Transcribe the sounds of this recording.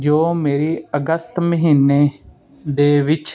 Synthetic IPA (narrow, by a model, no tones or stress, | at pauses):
d͡ʒoːmeːɾiːəɡəst̪məɦiːnːeː | d̪eːʋɪt͡ʃ